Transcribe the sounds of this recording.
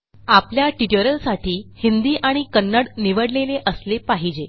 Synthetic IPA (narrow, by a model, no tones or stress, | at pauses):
apljaʈiʈəɾəlsaʈʰiːhind̪iːʔaɽ̃ikənːəɽniʋəɽleleʔəslepaɦid͡ʑe